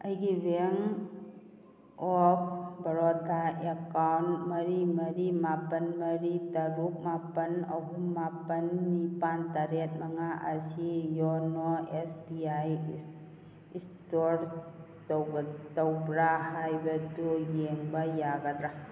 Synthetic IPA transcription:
ɐjɡiɾeŋ | ɔpʰbɐɾɔtʰaekawnmɐɾimɐɾimapɐnmɐɾitɐɾuk̚mapɐnɐ̰ɦumapɐnːipantaɾet̚maŋaʔɐ̰sijɔnɔesbiaj | istoɾ | towtɐwbɾahajbɐdujeŋbajaɡadɾa

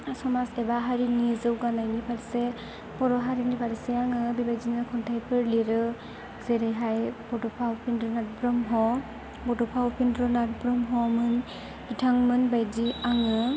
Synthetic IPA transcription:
sɔmasɛbaɦaɹinizɯwɡanajnibʰaɾisɛ | pɔɾɔɦaɾinibʰaɾisɛaŋɯbibajzinɯkʰɔntʰajpʰɯɹliɾɯ | zeɾejɦajbɔdɔpʰawpʰindɾɔnat̚bɹɔmɦɔ | bɔdɔpʰawpʰindɾɔnat̚bɾɔmɦɔmɯn | b̥itʰaŋmɯnbajziaŋɯ

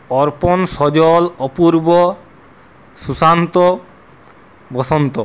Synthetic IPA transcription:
ɔɾpɔnsɔd͡ʑɔlɔpuɾbɔ | susant̪ɔ | bɔsɔnt̪ɔ

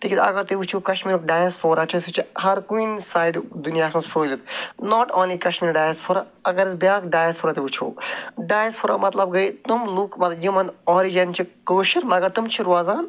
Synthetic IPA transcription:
t̪ikid̪ɐ̰ɡɐɾt̪iʋut͡ʃʰuːkɐʃmiːɾukɖaːjɐsfʰoːɾat͡ʃʰisut͡ʃʰihɐɾkuinsaːjɖd̪unjaːsmɐsfʰuːlʲit̪noːʈoːnliːkɐʃmiːɾɖaːjzpʰoɾa | ɐɡɐɾizbʲjaːkɖaːjɐsfʰoːɾat̪eʋut͡ʃʰo̰ːɖaːjzpʰoɾa̰mɐt̪lɐb̚ɡɐit̪umluːkmɐt̪jimɐ̃nd̪ɔːɾid͡ʒɐnt͡ʃʰikoːʃiɾmɐɡɐɾt̪umt͡ʃʰiɾuaːzaːn

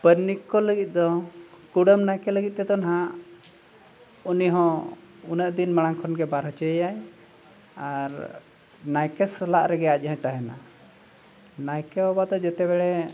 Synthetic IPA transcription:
pəɾnːikːɔləɡit̪̚ˀd̪ɔkuɽəmnajkɛləɡit̪̚ˀt̪ɛd̪ɔnaɦãʔ | uniɦɔ̃ | unəʔd̪inmaɽ̃aŋkʰɔnɡɛbaɾɦət͡ʃəjaj | aɾ | najkɛslaʔɾɛɡɛac̚ˀɦɔ̃jt̪aɦɛna̰ | najkɛɔbad̪ɔd͡ʒɛt̪ɛbɛɽɛ

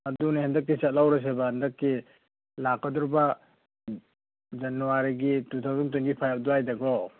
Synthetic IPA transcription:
adunihandɐkːisat̚lawɾas̬ebahɐndɐkːi | lakːɐduɾba | d͡ʒɐnuwaɾiɡitutʰawzunt̬unɡipʰajap̚duajdɐɡɔ

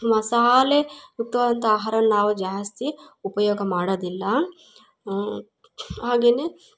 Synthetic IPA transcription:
mɐsaːlejuk̚t̪ɐʋaːd̪ɐnt̪ɐaːɦaːɾɐnnaːʋud͡ʒaːjɐst̪iupɐjɔːɡɐmaːɽod̪ilːɐ | ɦaːɡeːne

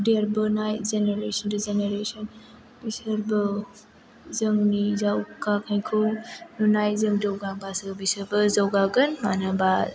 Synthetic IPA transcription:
deɾbənajt̚zeneɾesənduzeneɾesən | b̥isəɾbə | zəŋnizawkakʰaj̃kʰɯwnunajzəŋdəwɡabasəbisəɾbəzawɡaɡənmanəba

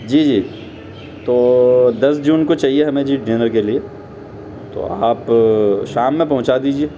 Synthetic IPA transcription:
d͡ʒiːd͡ʒiː | t̪oːd̪ɐsd͡ʒuːnkot͡ʃaːɦieɦɐmẽd͡ʒiːɖeːnəɾkelie | t̪o̰aːpʃaːmːẽpɐɦʊ̃t͡ʃad̪iːd͡ʒieː

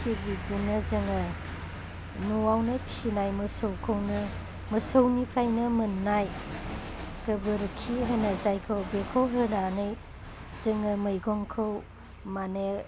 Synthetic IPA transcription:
sibidinɐzɐŋɐ | nuawnɐpʰi̥sinajmɐsowkʰɐwnɐ | mɐsəwnipʰɾajnɐmɯnːaj | kɐbɯɾkʰːiɦənazajkʰɯwbekʰowɦɯnanɯj | zɐŋɐmɐjɡɔŋkʰɯw | mane

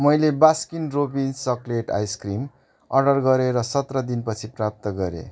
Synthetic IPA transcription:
mʌjlebaskinropinsʌkleʈa̰jskrim | ʌ̰rɖʌrɡʌɾeɾʌsʌt̪rʌd̪inpʌt͡sʰiprap̚t̪ʌɡʌɾḛ

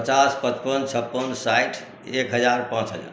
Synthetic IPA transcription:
pət͡ʃaspət͡ʃpənt͡ʃʰəpːənsajʈʰ | ekɦəd͡ʒaɾpãt͡ʃɦəd͡ʒə̰n

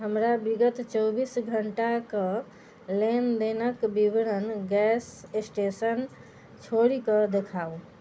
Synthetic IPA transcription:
ɦəmɾabiɡət̪t͡ʃəbisɡʱəɳʈakə̃ | lend̪enəkbiʋɾənɡɛsesʈesən | t͡ʃʰoɽikəd̪ekʰau

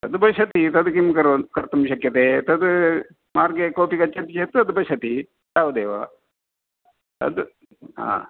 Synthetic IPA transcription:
t̪ɐd̪bɐʃɐt̪it̪ɐd̪kimkɐɾkɐɾt̪ɐmʃɐkjɐt̪eːt̪ɐd̪ | maːɾɡekoːpikɐt͡ʃːɐt̪it͡ʃeːt̪ɨɐd̪bɐʃɐt̪i | t̪aːʋɐd̪eːʋa̰ | t̪ɐ̰d̪ | ɦã̰ː

